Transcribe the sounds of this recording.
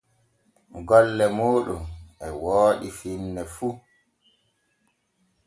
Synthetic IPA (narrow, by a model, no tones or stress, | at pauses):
ɡɔlːɛmoːɗumʔɛwoːɗifinːɛfu